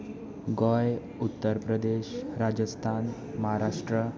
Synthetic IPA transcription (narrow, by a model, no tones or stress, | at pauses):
ɡɔj | ut̪ːəɾpɾəd̪eɕɾad͡ʑəst̪ʰan | məɦaɾaʂʈɾə